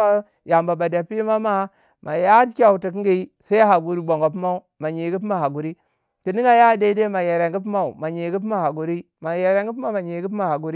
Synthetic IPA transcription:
a˦ | ja˨mba˨ba˨da˨pi˦ma˦ma˦ | ma˨ja˦kʲa˦u˨ti˨ki˦ŋɡi˦i˦sa˦a˦ɦa˨ɡu˨ɾi˦bo˨ŋɡo˨p̬ma˦u˦ma˨ɲi˨ɡi˦p̬ma˨ha˨ɡu˨ɾi˦ | ti˨ni˦ŋa˦ja˦˨˦de˦i˦de˦ma˨je˨ɾe˨ŋɡi˦p̬ma˦u˨ma˨ɲi˨˦ɡi˦p̬ma˨ha˨ɡu˨ɾi˦ | ma˨je˨ɾe˨ŋɡi˦p̬ma˦ma˨ɲi˨˦ɡi˦pma˦˨ha˨ɡu˨ɾi˦

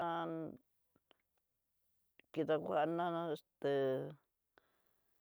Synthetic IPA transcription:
a˦ | ki˧t̪a˧kʷa˧ʔnã˦nã˦e˧st̪e˧

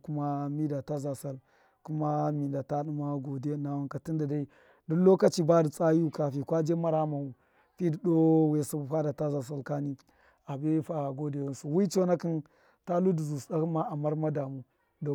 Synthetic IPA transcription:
ku˦ma˦mi˦da˨ta˦za˨sa˦l | ku˦ma˦mi˨nda˨ta˦ɗu˦ma˦ɡo˨de˦na˦wa˦ka˨ti˦nda˨da˦i˦ | du˦lo˦ka˦t͡ʃi˦ba˦di˨t͡sʼa˦ju˦ka˨fi˨kʷa˦d͡ʒe˦ma˦ɾa˦ma˨wu˨ | pi˦di˨ɗo˦we˨su˦bu˨fa˦da˨ta˦za˨s̬a˦lka˦ni˦ | a˨be˦fa˨ɡo˦de˨wu˦nsu˨wi˦t͡ʃo˦na˦ki˦n | ta˦lu˦di˨zu˨sɗa˦ki˦ma˦a˨ma˦ɾma˦da˨mu˦ | do˨

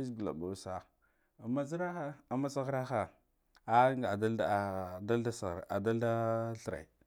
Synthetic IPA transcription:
zɡi˨la̰˨ba˨˦sa˨ | a˨ma˦zi˦ɾa˦a˦a˨ma˦sa˦ɣɾa˦xa˨ | a˦ŋ˨a˨a˦˨da˦lda˦sa˨ɾa˨da˦lda˦ɬə˨ɾa̰˨i˨

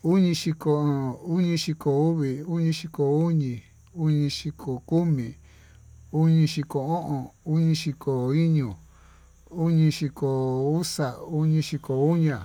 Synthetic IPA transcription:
u˦ɲĩ˧ʃi˧ko˧˨u˦ɲĩ˧ʃi˧ko˨u˦βi˨u˦ɲĩ˧ʃi˧ko˨u˦ɲĩ˧ | u˦ɲĩ˧ʃi˧kʰo˨ku˦mĩ˨ | u˦ɲĩ˧ʃi˧ko˨õ˦ʔõ˨u˦ɲĩ˧ʃi˧ko˨i˦ɲũ˨ | u˦ɲĩ˧ʃi˧ko˨u˦sa˨u˦ɲĩ˧ʃi˧ko˨u˦ɲã˨

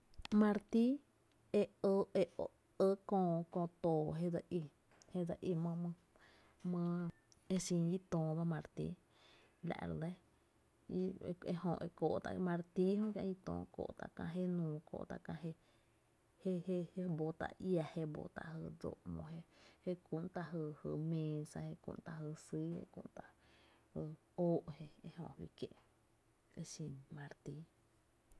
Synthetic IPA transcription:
mã˧ɾt̪i˦ | e˧ə˧e˧o˨ | ə˦kõ˧kõ˧t̪oː˨ɦe˦d͡za˧ʔi˧ | he˦d͡za˧ʔi˧mə̃˧m˧ | mə̃˧ | e˧sĩː˧ji˦t̪õː˨d̪a˧mã˧ɾt̪ḭ˧˦ | la̰˧ʔɾd̪e˦ | i˧e˧hõ˧ʔe˧ko˨ʔt̪a̰˧mã˧ɾt̪i˦hõ˦kjã̰˧ji˧t̪õ̰ː˧˨ko̰˧˨t̪a̰˧ʔkã̰˧ɦe˦nũː˧ko̰˨ʔt̪a̰˧ʔkã˧ɦe˧ | he˧he˧he˧bo˧t̪a̰˧ʔja˧he˧bo̰˧t̪a̰˧˨ʔhə˧˨d͡zo̰˧˨ʔmõ˧ɦe˧he˦ku˧ʔnt̪a˧ɦə˧˨hə˧˨mẽː˧sa˧he˧kṵ̃˧ʔnt̪a˧ɦə˧si˦ḛ˧kṵ̃˧nt̪a˧ | hə˧ | oː˦ʔhe˧e˧ɦõ˧˨hwḭ˧kjḛ̃˧˨ʔ | e˧ʃĩ˧nmã˧ɾt̪i˧˦

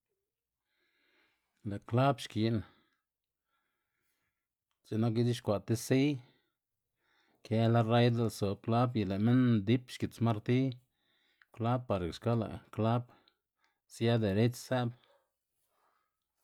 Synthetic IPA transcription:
la˨ʔkla˦bʃki˨n | ze˨na˦k̬i˦d̪i˦ʃkʷa˨t̪e˦si˦j | kʰe˧˦la˦ra˦jd̪a˦lso˨b̚kla˦bji˨la˨me˦nd̪i˦pʃki˨t͡sma˦ɾt̪i˦ | kla˦bpːa˨ɾkʃka˦la̰˨kla˦b | sja˦d̪e˨ɾe˦t͡ʃsæ˦b

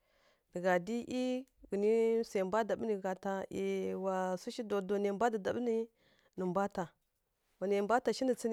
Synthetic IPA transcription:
də˨ɡa˨di˦ʔi˦ɡə˨ni˦se˨mba˦da˨bni˨ɡa˨ta˨e˨wa˨su˦ʃi˦do˨do˨ne˨˦ba˦di˨da˨bni˦ | nə˨mba˦ta˨ | wa˨ne˨mba˦ta˨ʃi˦ndi˨t͡si˦n˦

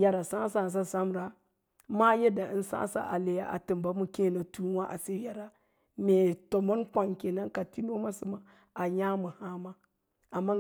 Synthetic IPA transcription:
ja˨ɾa˨sã˦sa˨s̬a˦sa˦mɾa˨ | ma˦je˦da˨ʔi˦n˦sa̰ː˦sa̰˦ʔa˨le˨ja̰˦ʔa̰˨tɨ˨mba˨˦mu˨ke˦˨na˨tu˦wa˦ʔa̰˨se˦ja˨ɾa˨ | me˨to˨mo˦nkʷa˨ŋke˨na˦nka˨ti˦no˦ma˦sḭ˦ma˨ | a˨ja˦mu˨ha˦ma˦ | a˨mːa˦

